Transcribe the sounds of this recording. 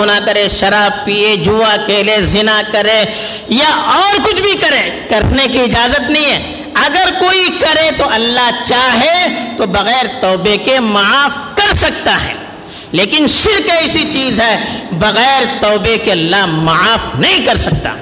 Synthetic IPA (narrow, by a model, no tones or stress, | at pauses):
ʊnakɐɾẽʃɐɾaːb̚piːed͡ʒuːakʰeːlezɪnakɐɾẽ | jaʔɔːɾkʊt͡ʃʰbʱikɐɾẽːkɐɾnekiɪd͡ʒaːzət̪nɐɦĩɦɛː | ɐɡəɾkoːikɐɾet̪oʔɐlːat͡ʃaːɦet̪obɐɣɛːɾt̪ɔːbekemɐaːfkɐɾsɐk̚t̪aɦɛ̰ː | leːkɪnʃɪɾkɛɪsit͡ʃiːzɦɛbɐɣɛːɾt̪ɔːbekeɐlːaɦmɐaːfnɐɦĩkɐɾsɐk̚t̪a̰ː